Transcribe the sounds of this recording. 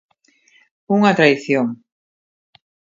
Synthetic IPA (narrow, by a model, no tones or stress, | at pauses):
uŋat̪ɾaiθjoŋ